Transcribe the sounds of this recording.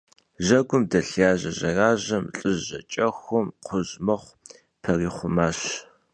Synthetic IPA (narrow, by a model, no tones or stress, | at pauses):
ʑɐɡʷʊmdɐɬjaːʑɐʑɐraːʑɐmɬʼɨʒːɐ̰t͡ʃʼɐxʷʊmqʰʷʊʑmɐχʷ | pʰɐriːχʷʊmaːɕ